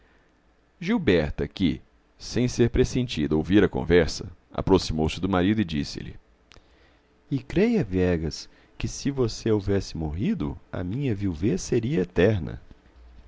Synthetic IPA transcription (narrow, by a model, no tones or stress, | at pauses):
ʒiwbɛɾt̪ɐkɪ̰ | sẽj̃seɾpɾesẽnt͡ʃid̪ɐowviɾɐkõ̰vɛɾsɐ | a̰pɾosimowsɪd̪ʊmaɾid̪ʊɪd͡ʒisɪ̰lɪ̰ | ɪkɾejɐvɛɡɐs | kɪsɪvoseovɛsɪmoɦid̪ʊ̰ɐ̰mĩɲɐviwvesːeɾiɐet̪ɛɾnɐ̰